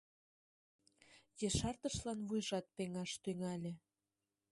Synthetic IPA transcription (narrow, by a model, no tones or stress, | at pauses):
jeʃɑrt̪əʃlɑnβujʒɑt̪̚peŋɑʃt̪yŋɑlʲĕ